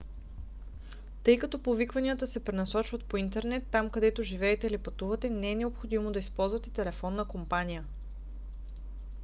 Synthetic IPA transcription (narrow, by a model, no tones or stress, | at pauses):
t̪ɤjkɐt̪ɔpovikvɐnijət̪əsɛpɾɛnɐsɔt͡ʃvɐt̪̚point̪ɛɾnɛt̪ːamkɐd̪ɛt̪oʒivɛːt̪ɛilipɐt̪uvɐt̪ɛnɛɛnɛopxod̪imod̪ɐispɔlˠzvɐt̪ɛt̪ɛlɛfɔnːəkompanijə